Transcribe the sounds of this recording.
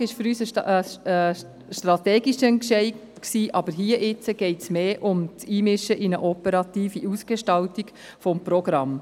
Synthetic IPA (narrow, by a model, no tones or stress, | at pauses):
ɪʃfʏɾyːsəəsə | ʃtɾɑt̪eːɡiʃənkʃɛɪ | ksiːʔɑbəɾɦiːəʔɪt͡səɡ̥ɛɪtsmeːʔʊmt͡siːmɪʃəʔɪnəʔɔpəɾɑt̪iːfiʔuːsɡ̥eʃtɑltiɡ | fɔmprɔɡɾɑm